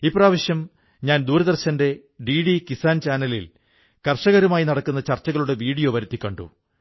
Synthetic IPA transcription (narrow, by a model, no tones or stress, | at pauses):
ipːraːʋɐɕjɐm | ɲaːnd̪uːɾɐðɐrɕɐnde̞ | ɖiːɽikisaːnt͡ɕaːnɐlḭl | kɐrʂɐɣɐɾumaːjinɐɽɐkːunːɐt͡ɕɐrt͡ɕːɐɣɐɭuɽe̞ʋiːɽijo̞ːʋɐɾut̪ːikʲːɐɳɖṵ